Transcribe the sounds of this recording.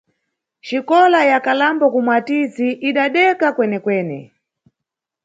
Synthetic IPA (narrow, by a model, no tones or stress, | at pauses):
ʃikɔlajakalambɔkumwatiziʔiɗaɗɛkakwɛnɛkwɛːnɛ̰